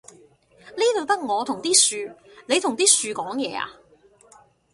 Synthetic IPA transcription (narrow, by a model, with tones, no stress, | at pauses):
liː˥t̪ʰo˨˧wt̪ɐ˥k̚ŋɔː˨˧t̪ʰʊ˨˩ŋt̪iː˥syː˨˧le˨˧t̪ʰʊ˨˩ŋt̪iː˥syː˨˧kɔː˨˥ŋjɛː˨˧a̰ː˧